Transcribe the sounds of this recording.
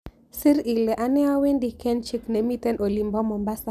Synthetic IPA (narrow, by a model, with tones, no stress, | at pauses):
si˦ɾi˨lɛ˨ʔa˦nɛ˦wa˦we˦ndi˨kɛ˦nt͡ʃi˦kne˨mi˦tɛ˦nʔo˨li˨mbɔ˦mɔ˨mba˦sa˨